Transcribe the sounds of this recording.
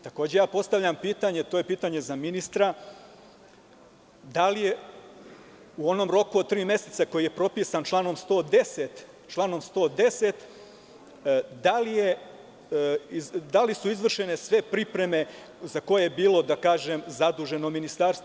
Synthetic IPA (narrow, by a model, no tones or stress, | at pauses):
t̪ako̞ːd͡ʑe̞jaːpo̞st̪aʋʎʲampiːt̪aɲe̞t̪oːje̞piːt̪aɲe̞zaminist̪ɾa | d̪alije̞ | uo̞no̞mɾo̞kuod̪̚t̪ɾiːmje̞set̪sako̞jije̞pɾo̞pisant͡ʃlˠaːno̞mst̪o̞ːd̪e̞set̪ | t͡ʃlˠaːno̞mst̪o̞ːd̪e̞se̞t̪ | d̪alije̞ | id̪alisuizʋr̩ʃe̞ne̞sʋe̞pɾipɾe̞me̞ | zako̞jebiːlˠo̞d̪akaːʒemzad̪uʒe̞no̞minist̪aːɾst̪o